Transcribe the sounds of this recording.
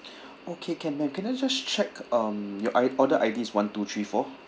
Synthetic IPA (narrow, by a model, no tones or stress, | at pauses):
okʰekʰɛ̃nmɛ̃mkɛ̃naɪd͡ʒast͡ʃɛkʌmjɔʔaɔdəʔaɪdĩswãntut̪ʰɹifɔ